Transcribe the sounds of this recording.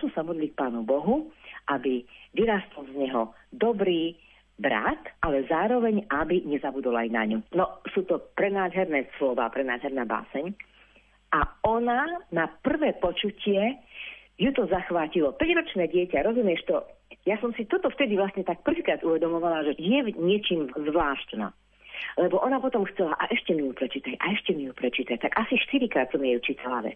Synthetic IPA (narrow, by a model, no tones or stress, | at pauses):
tɔsamɔd̪liːk̚paːnubɔɦuʔabiʋiɾaːst̪ɔlzɲɛɦɔ | d̪ɔbɾiː | bɾa̰t̪ʔalɛzaːɾɔʋɛɲabiɲɛzabud̪ɔla̰jna̰ɲunɔsuːt̪ɔpɾɛnaːd̪ɦɛɾnɛːslɔʋa̰ːpɾɛna̰ːd̪ɦɛɾnaːba̰ːsɛɲ | ʔaɔnanapr̩ʋɛːpɔt͡ʃucɪɛ | jut̪ɔzaxʋaːcilɔpɛɟɾɔt͡ʃnɛːɟɪɛcaɾɔzumjɛʃt̪ɔjasɔmsit̪ɔt̪ɔft̪ɛd̪iʋlasɲɛt̪ak̚pr̩ʋiːkɾaːd̪uʋɛd̪ɔmɔʋalaʒɛjɛɲɪɛt͡ʃiːmzʋlaːʃt̪nɔ̰ | lɛbɔʔɔnapɔt̪ɔmxt͡sɛlaʔaʔɛʃcɛmijupɾɛt͡ʃiːt̪acʔa̰ɛʃcɛmijupɾɛt͡ʃiːt̪act̪akasiʃt̪iɾikɾaːt̪sɔmjɛjut͡ʃiːt̪ala̰ʋɛ̰t͡s